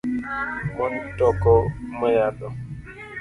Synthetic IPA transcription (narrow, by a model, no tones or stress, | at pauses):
mɔn̩tɔkɔməjadɔ